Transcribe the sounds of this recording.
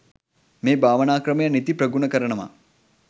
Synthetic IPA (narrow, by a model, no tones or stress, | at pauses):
meːbaːʋənaːkɾəmɐjənit̪ipɾəɡunəkəɾənəʋa̰